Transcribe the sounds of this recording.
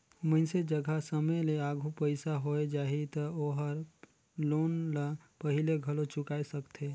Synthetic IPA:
məɪsed͡ʒəɡʱasəməjleaɡʱupəɪsaɦoed͡ʒaːɦit̪əoːɦəɾ | loːnla | pəɦɪleɡʱəlot͡ʃʊkaːesəkt̪ʰe

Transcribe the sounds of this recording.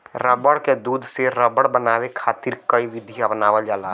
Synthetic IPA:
ɾəbəɽked̪uːd̪ʱseɾəbəɽbənaːwekʰaːt̪ɪɾkəiʋɪd̪ʱiabnaːʋəld͡ʒaːlaː

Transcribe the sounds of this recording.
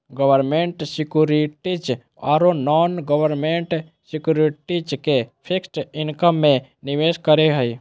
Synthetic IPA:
ɡəʋəɾmẽɳʈsikjuɾiʈit͡ʃ | a̰ːɾonɔːnɡəʋəɾmẽɳʈ | sikjuɾiʈit͡ʃkepʰiksʈɪnkəmːẽniʋeːskəɾeɦəj

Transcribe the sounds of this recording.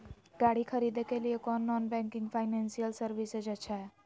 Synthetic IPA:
ɡaɽikʰəɾid̪ekeliekɔnːɔnbɛ̃ŋkɪŋɡpʰaɪnɛnsijəlsəɾʋised͡ʒət͡ʃʰɛ

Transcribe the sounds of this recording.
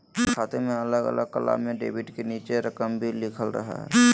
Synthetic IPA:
kʰaːt̪ʰemẽɐləɡə̰lʔəɡ̚kəla̰mẽɖḛːʋɪʈkeniːt͡ʃeɾəkəmbʱilɪkʰəlɾɐ̰ɦa̰ɦɛ̰

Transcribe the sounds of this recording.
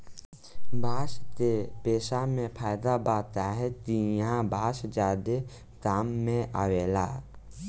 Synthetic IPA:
bʱaːʃt̪eːpeːsaːmẽpʰaːjd̪aːbaːt̪aːɦɛt̪ijãbʱaːʃd͡ʒaːd̪e | kaːmːẽʔa̰ːʋeːla̰ː

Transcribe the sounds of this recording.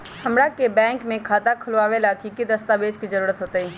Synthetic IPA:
hɐmɾakebɛ̃ːŋkmẽkʰaːt̪akʰəloaːʋelakikid̪əst̪aːʋeːd͡ʒkizəɾuːɾət̪ɦoːt̪aiː

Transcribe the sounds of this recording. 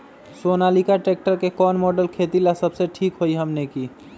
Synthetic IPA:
sonalikaʈek̚ʈəɾkekɔnmɔɖəlkʰet̪ilasəbseʈʰikɦoijɦəmneki

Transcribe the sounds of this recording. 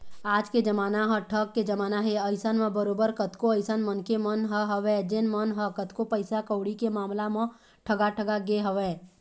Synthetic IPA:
aːd͡ʒked͡ʒɐmaːnaɦəʈʰəkːed͡ʒɐmaːnaɦeɐɪsənmẽbəɾoːbəɾkət̪koəɪsənmənkemənɦəɦəʋẽːd͡ʒɪnmənɦəkət̪kopəɪsakəʊɽikemaːmlamɐ̃ | ʈʰəɡaʈʰəɡaɡeɦɐʋẽ

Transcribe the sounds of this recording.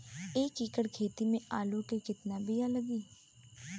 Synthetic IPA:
eːkikəɽkʰeːt̪imẽaːlukekɪt̪nabʱijaləɡiː

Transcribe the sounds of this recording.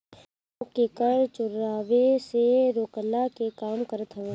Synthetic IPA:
kekəɾt͡ʃʊɾaːʋeseɾoːkəlakekaːmkəɾət̪ɦə

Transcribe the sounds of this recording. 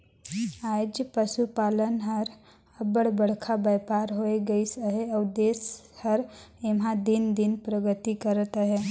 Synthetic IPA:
ad͡ʒpəʃupalənɦəɾ | əbəɽbəɽ̤kʰabəjpaɾɦoeɡəisəɦeɔʊd̪eːshəɾemɦãd̪ind̪inpɾəɡət̪ikəɾət̪əɦe

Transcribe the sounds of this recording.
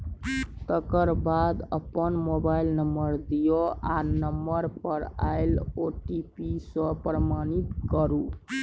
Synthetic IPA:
t̪əkəɾbad̪əpənmobailnəmbəɾd̪ijoanəmːbəɾpəɾa̰jloʈipisəpɾəmanit̪kəɾu

